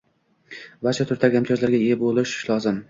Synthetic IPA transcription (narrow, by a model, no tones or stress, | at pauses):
baɾt͡ʃʰat̪ʰʊɾt̪ʰaɡʲamt̪ʰijɒzlaɾɡʲaebolɪʃɪ̥ʃlɒzɪm